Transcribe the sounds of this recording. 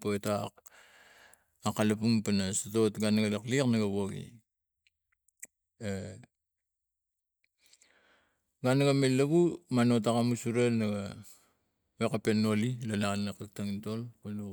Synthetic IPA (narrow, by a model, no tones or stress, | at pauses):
poetak | akalapuŋpanasatotɡanaɡalakliknaɡaβoɡḭ | e | ɡanaɡamelːaβumanotakamusuɾenaɡa | wekapenːolilalanːakaktaŋtolkalu